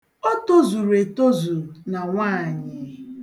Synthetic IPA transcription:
o˦to˦zu˨ɾe˨to˦zu˨na˨ŋʷa˦˨ɲɪ˨

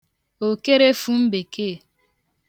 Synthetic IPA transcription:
o˨ke˦ɾe˦fu˦m̩˦be˨kʰe˦˨

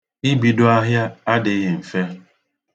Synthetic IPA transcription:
ɪ˦bi˨do˦a˦ɦja˦a˦dɪ˨˦ɦɪ˨m̩˨fe˦

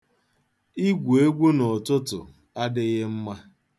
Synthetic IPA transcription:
i˦ɡʷe˦ɡʷo˦nɔ˨tʊ˦tʊ̰˨ | a˦dɪ˦ɣɪ˦m̩˦ma˦

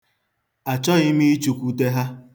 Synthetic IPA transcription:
a˨t͡ʃɔ˦ɪ˦mi˦i˦t͡ʃu˨kʷu˦te˦ɦa˦

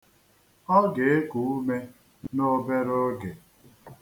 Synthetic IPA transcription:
ɔ˦ɡe˨e˦ku˨u˦me˦ | no˦be˦ɾo˦ɡe˨

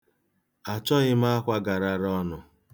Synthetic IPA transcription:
a˨t͡ʃɔ˦ɣɪ˦ma˦a˦kʷa˦ɡa˨ɾa˦ɾɔ˦nʊ˨

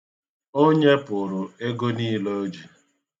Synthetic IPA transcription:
o˦ɲe˦pʊ˨ɾʊ˨e˦ɡo˦niː˦lo˦d͡ʒi˨

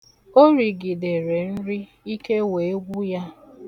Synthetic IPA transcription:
o˦ɾi˨ɡɪ˨de˨ɾe˨n̩˦ɾi˦ | i˦ke˦we˨e˦ɡʷu˦ja˦

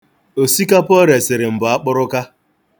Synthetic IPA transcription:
o˨si˦ka˦pɔ˦ɾe˨sɪ˨ɾɪ˨m̩˨bʊ˨a˦k͡pʊ˦ɾʊ˦ka˦

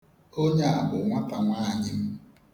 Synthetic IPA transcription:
o˦ɲe˦a˨bʊ˨ŋʷa˦pa˦ma˦ɲɪ˦m̩˦

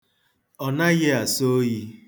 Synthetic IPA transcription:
ɔ˨na˦ɣe˦a˨so˦ji˦

